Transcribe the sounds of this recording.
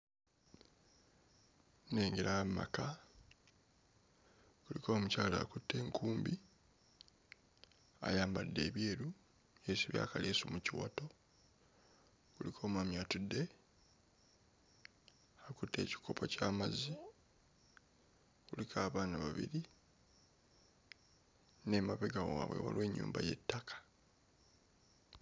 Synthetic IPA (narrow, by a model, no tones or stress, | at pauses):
ne̞ːŋɡeɾamːa̰ka | kulikʰo̞ːmucaːlaːkutʰːe̞ːŋkʰuːmbi | a̰jaːmbadːe̞̰ːβjeːɾu | jesiβja̰ːkaleːsumuciwa̰to̞ | kulikʰo̞ːmwaːmjaːtude | akutːe̞̰ːci̥kʰo̞pʰocaːmazi | kulikʰaːβaːnaβaβḭɾi | nemaβeɡawaːβwḛwa̰lwe̞ːɲːṵːmbajetːakʰḁ